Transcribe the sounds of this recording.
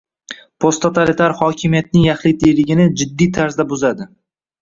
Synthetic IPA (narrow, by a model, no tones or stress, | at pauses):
pʰost̪ʰːot̪ʰalit̪ʰaɾhɒkʲʰɪmijat̪̚nɪŋjɑχlɪt̪ʰejlɪɡʲɪnɪd͡ʒɪd̪ːijt̪ʰaɾzd̪abʊzad̪ɪ